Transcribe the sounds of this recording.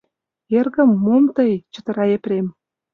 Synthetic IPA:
erɣə̆mːomt̪əjt͡ɕə̥t̪ə̆ɾɑeprem

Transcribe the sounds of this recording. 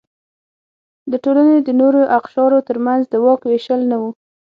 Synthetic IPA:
d̪əʈolaned̪ənoɾoʔaqʃɑɾot̪əɾmanzd̪əwɑkweʃəlnawu

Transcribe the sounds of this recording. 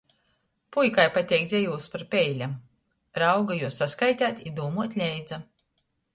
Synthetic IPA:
pujkajpat̪ʲɛjkd̪zʲɛjuːspaɾpʲɛjlʲam | ɾawɡajuɔsːaskajt̪ʲaːt̪ʲid̪uːmuɔt̪ʲlʲɛjd̪za

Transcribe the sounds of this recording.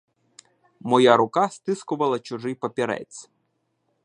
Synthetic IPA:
mɔjaɾʊkast̪ɪskʊʋɐlˠɐt͡ʃʊʒɪjpɐpʲiɾɛ̰tt͡sʲ

